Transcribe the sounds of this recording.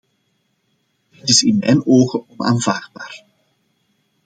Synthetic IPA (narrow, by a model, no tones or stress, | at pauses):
dɪtɪsɪnmɛ̰jnoːɣəɔna̰ːnvaːrd̚baːr